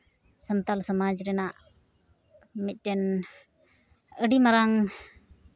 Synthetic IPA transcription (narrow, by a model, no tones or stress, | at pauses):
sənt̪alsɔmad͡ʒɾɛnaʔ | mit̪̚ˀtɛn | əɖimaɾaŋ